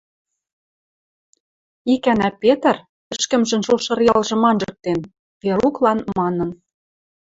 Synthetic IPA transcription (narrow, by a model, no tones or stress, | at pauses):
ikænæpʲet̪ə̆r | ɘ̆ʃkə̆mʒɘ̆nʃulʃɤ̆rjɑlʒɤ̆mɑnʒɤ̆k̚t̪en | peɾuklɑnmɑnɤ̆n